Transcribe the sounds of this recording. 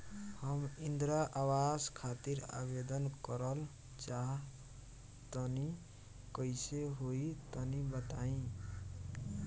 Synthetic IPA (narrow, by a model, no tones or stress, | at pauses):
həmind̪ɾaʔawaskʰat̪iɾa̰bed̪ənkʌɾəl | t͡ʃaɦ | t̪əni | kəjseɦoit̪ənibət̪aĩ